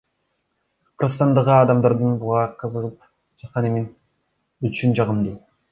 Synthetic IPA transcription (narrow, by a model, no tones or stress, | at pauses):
qʰɾəst̪ɑnd̪əʁəɑd̪ɑmd̪ɑɾd̪ɯnbuʁɑqʰəzəʁəp̚ | d͡ʒɑt̪̚qɑnemin | yt͡ʃynd͡ʒɑʁəmd̪e